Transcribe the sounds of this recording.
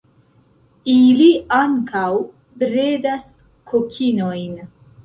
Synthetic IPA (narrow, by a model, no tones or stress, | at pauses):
iliaŋkaw | bɾedas | kʰokʰino̞jn